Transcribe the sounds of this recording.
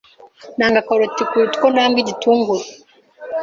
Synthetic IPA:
naŋɡakaɾɔtikuɾitu̥kɔnaŋɡid͡ʒitʰuŋɡwɛ

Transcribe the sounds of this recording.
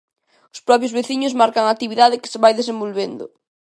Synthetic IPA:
ʊspɾɔp̬jʊzβeθiɲʊzmaɾkaŋak̚t̪iβiðað̞ɪkɪ̥seβajðesembolβend̪ʊ̰

